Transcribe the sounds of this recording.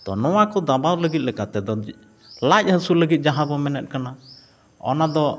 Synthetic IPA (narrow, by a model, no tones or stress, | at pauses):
d̪̥ɔ̰nɔwakɔd̪abawləɡit̪̚lɛkat̪ɛd̪ɔ | lac̚ˀhəsuləɡit̪̚d͡ʒaɦabɔmɛnɛt̪̚kana | ɔ̰nad̪ɔ